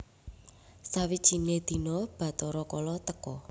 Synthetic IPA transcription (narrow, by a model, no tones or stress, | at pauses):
sawid̥ʒ̥i̤ned̪̥i̤nɔb̥ä̤t̪ɔɾɔkɔlɔt̪əkɔ